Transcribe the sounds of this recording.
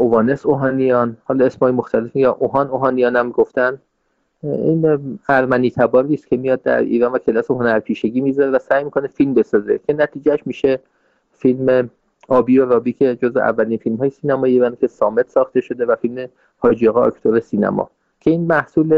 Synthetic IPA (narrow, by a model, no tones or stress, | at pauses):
ʔovɒːne̞soɦɒːnijɒːnhɒːlɒːesmhɒːjemoxt̪ʰælefijɒʔoɦɒnoɦɒːnijɒːnæmɡoft̪ænd̪ | ḭːnæɾmæniːt̪ʰæbɒːɾiːst̪kʲʰe̞mijɒd̪̚d̪æ̰ɾḭːɾɒːnvæcʰelæseɦonæɾpʰiːʃe̞ɡiːmizɒɾevæsæːjmiːkʰonefilmbe̞sɒːze̞cʲʰe̞næt̪ʰiːd͡ʒæʃmiːʃe | filme̞ | ɒːbiːoɾɒːbiːcʰe̞d͡ʒozvḛʔæ̰vːæliːnfilmhɒːjesiːnæmɒːjievænd̪kʲʰe̞sɒːme̞t̪sɒːxt̪e̞ʃo̞d̪e̞væfilme̞ | hɒːd͡ʒiɒɣeɒ̰kt̪ʰoɾe̞siːnæ̰mɒ̰ | cʰe̞iːnmæhsuːle